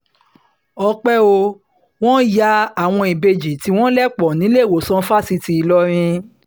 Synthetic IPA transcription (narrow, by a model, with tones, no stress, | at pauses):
ɔ˧k͡pɛ˦o˧ | w̃ɔ̃˦ja˦a˦˨w̃ɔ̃˧i˨be˧d͡ʒi˨ti˧w̃ɔ̃˦lɛ˦k͡pɔ˨nĩ˨˦le˦˨wo˨sɔ̃˦fa˦si˧ti˧i˧lɔ˦ɾ̃ĩ˧